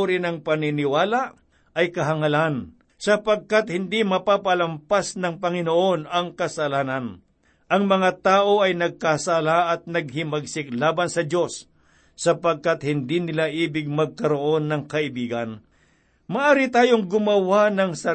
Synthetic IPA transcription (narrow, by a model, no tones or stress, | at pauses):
ɾɪnɐŋpɐnɪnɪwaːlaʔ | ɐjkɐɦɐŋɐlan | sɐpɐɡ̚kat̪̚hɪnd̪imɐpapɐlɐmpasnɐŋpɐŋɪnoʔo̞nɐŋkɐsɐlaːnɐn | ʔɐŋmɐŋat̪aːʔo̞ʔɐjnɐɡ̚kasalaʔɐt̪̚nɐɡ̚hɪmɐɡsɪk̚laːbɐnsɐdo̞sː | ɐpɐɡ̚kat̪hɪnd̪inɪlaʔiːbɪɡ̚mɐɡ̚kɐɾo̞ʔo̞nːɐŋkɐɪbiːɡɐn | mɐʔaːɾɪt̪aːjo̞ŋɡʊmɐwanɐŋsɐ